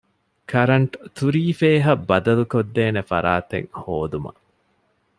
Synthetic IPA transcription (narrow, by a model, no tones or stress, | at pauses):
kʰɐɾɐɳʈt̪uɾiːfeːɦɐbːɐd̪ɐlukod̪ːeːnefɐ̰ɾaːt̪ḛŋhoːd̪umɐ̰